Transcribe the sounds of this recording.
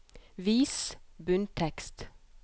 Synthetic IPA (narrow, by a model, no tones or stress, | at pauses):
ʋiːsbʉnt̪ʰɛkst̪